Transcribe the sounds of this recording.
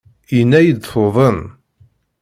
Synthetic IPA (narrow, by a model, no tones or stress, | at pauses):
inːæjid̪foðˤəm